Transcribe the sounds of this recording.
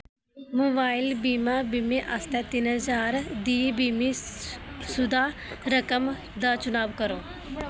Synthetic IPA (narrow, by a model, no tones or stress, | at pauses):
moːbaːɪlbiːmaːbiːmeʔast̪ɛːt̪ɪnɦəzaːɾd̪iːbiːmi | sʊd̪aː | ɾəkəm | d̪aːt͡ʃʊnaːʋkəɾõː